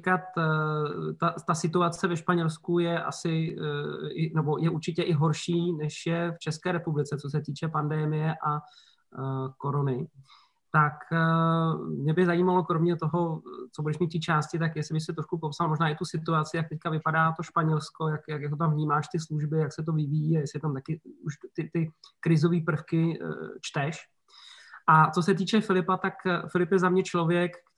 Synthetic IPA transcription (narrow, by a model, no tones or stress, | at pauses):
kat̪ | t̪at̪asɪt̪uat͡sɛvɛʃpaɲɛlskujɛʔa̰sɪ | ɪnɛbo̞jɛʔuɾt͡ʃɪcɛʔɪɦo̞ɾʃiːnɛʃjɛft͡ʃɛskɛːɾɛpublɪt͡sɛt͡so̞s̬ɛt̪iːt͡ʃɛpandɛmɪjɛʔa | ko̞ɾonɪ | t̪ak | mɲɛbɪzajiːmalo̞kɾo̞mɲɛt̪o̞ɦo̞t͡sobudɛʃmit̪iːt͡ʃaːscɪt̪̬akjɛslɪbɪxsɛt̪ɾoʃkupo̞psalmoʒnaːɪt̪usɪt̪uat͡sɪjak̚t̪ɛckavɪpadaːt̪oʃpaɲɛlsko̞jakjakjɛɦot̪amvɲiːmaːʃt̪ɪsluʒbɪjaksɛt̪̬o̞vɪvijiːajɛsɪt̪amt̪akɪuʃt̪ɪt̪ɪkɾɪzo̞viːpr̩fkɪt͡ʃt̪ɛʃ | ʔat͡so̞sɛt̪̬iːt͡ʃɛfɪlɪpat̪akfɪlɪpjɛzamɲɛt͡ʃlo̞vjɛk